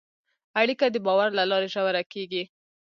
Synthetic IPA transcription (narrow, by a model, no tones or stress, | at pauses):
aɽikad̪əbɑwaɾlalɑɾeʒawaɾakeɡi